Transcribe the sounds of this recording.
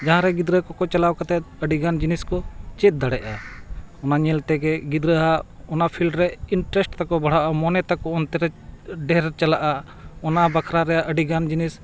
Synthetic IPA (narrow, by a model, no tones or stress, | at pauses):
d͡ʒaɦãɾɛɡid̪ɾəkɔkɔt͡ʃalawkat̪ɛt̪əɖiɡand͡ʒiniskɔt͡ʃɛt̪̚d̪aɽɛʔaɔnaɲɛlt̪ɛɡɛɡid̪ɾəɦa | ɔnapʰilɖɾɛiɳʈɾɛsʈt̪akɔbaɽ̤aʔamɔnɛt̪akɔɔnt̪ɛɾɛɖɛɾt͡ʃalaʔa | ɔnabakʰɾaɾɛjaʔəɖiɡand͡ʒinis